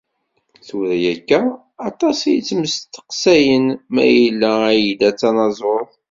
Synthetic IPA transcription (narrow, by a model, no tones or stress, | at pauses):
θuɾæjækːæ | ɑt̪ˤɑsijt͡sːməst̪ːə̥qsæjənmæ̰jəlːææjəd̪æt͡sːɑnɑzˤɾəθ